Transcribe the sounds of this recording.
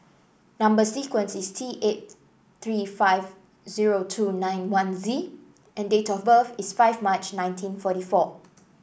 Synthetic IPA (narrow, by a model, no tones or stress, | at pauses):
nãmbəsikwə̃nsistʰiʔet̚ | t̪ɹifaɪv | ziɹotʰunãj̃nwãnzi | ʔɛ̃ndetɔfbəfisfaɪvmat͡ʃnãj̃ntʰĩnfɔtifɔ